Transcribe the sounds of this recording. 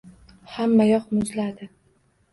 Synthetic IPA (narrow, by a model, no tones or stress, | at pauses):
hamːajɒqmʊzlad̪ɪ